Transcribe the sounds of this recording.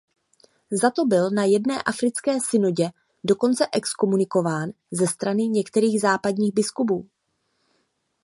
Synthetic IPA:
zat̪o̞bɪlnajɛdnɛːʔafɾɪt͡skɛːsɪnoɟɛ | do̞ko̞nt͡sɛʔɛksko̞munɪko̞vaːn | zɛst̪ɾanɪɲɛkt̪ɛɾiːɣzaːpadɲiːɣbɪskubuː

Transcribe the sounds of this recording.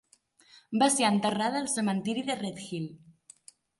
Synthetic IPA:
baseɾant̪ərað̞əːlˠsəmant̪iɾiðeret̪xil

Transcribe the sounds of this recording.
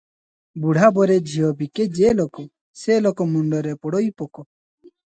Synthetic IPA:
buɽ̤ʱabɔɾed͡ʒʱiɔbiked͡ʒelokɔ | selokɔmuɳɖɔɾepɔɽɔipɔkɔ

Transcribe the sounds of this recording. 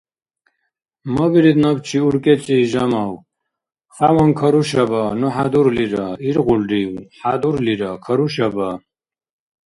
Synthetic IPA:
mɔbiɾid̪nɔbt͡ʃʰiuɾkʼɛt͡sʼiːʒamaw | χawɔnkʰɔɾuʃabanuħad̪uɾliɾaiɾɣulɾiwħad̪uɾliɾakʰɔɾuʃaba

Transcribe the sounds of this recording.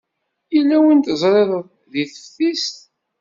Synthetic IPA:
jilːæwint̪əzˤɾˤeðəðˤ | ðiθə̥fθist̪

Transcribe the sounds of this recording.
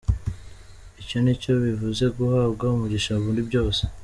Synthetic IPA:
ico̞nico̞βivuze̞ɡuhaːbɡaumuɟiʃauβuːndubɟo̞ːse̥

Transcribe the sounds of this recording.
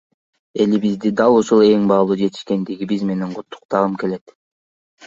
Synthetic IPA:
e̞libizd̪id̪ɑlˠuʃulˠe̞ŋbɑːlˠuːd͡ʒe̞t̪i̥ʃke̞nd̪iɡibizme̞neɴqʰʊt̪ʰːu̥qt̪ɑʁɯmke̞le̞t̪

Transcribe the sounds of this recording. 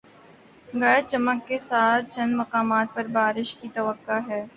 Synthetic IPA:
ɡɐːt͡ʃɐməkːesaːt̪̚ʰt͡ʃɐ̃nmɐqaːmaːt̪̚pɐɾbaːɾɪʃkit̪ɐʋəkːaɦɛː

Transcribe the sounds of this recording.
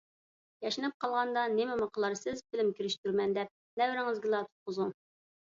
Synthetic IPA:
jɛʃɪnɪp̚qʰɑlˠʁɑnd̪ɑnɪmɪməqʰəlˠɑɾsɪzbɪlɪmkʲiɾɪʃt̪yɾmɛnd̪ɛp̚ | nɛwɾɪŋɪzɡʲɪlˠɑt̪ʰu̥t̪̚qəzu

